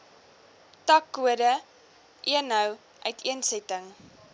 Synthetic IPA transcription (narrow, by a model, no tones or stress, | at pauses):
tɐkːuədə | ʔiənɦəw | ʔœɥtʰiənsɛtəŋ